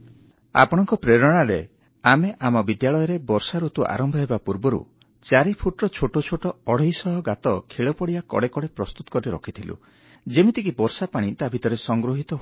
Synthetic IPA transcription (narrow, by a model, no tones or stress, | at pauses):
a̰pɔɽ̃ɔŋkɔpɾeɾɔɽ̃aɾḛ | ameʔamɔbid̪jaɭɔjɔɾebɔɾsaɾut̪uʔa̰ɾɔmbʱɔɦebapuɾbɔɾṵ | t͡ʃaɾipʰuʈɾɔt͡ʃʰoʈot͡ʃʰoʈɔɔɽ̤ejsɔɦɔɡat̪ɔkʰeɭɔpɔɽiakɔ̰ɽekɔɽepɾɔst̪ut̪ɔ̥kɔɾiɾɔkʰit̪ʰilṵ | d͡ʒemit̪ikibɔɾsapaɽ̃it̪abʱit̪ɔɾesɔŋɡɾoɦit̪ɔɦ